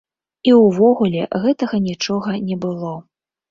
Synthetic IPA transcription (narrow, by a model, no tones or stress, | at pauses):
iwvɔɣulʲɛ̰ɣɛt̪ɐɣɐnʲit͡ʂɔɣɐnʲɛbɨlˠɔ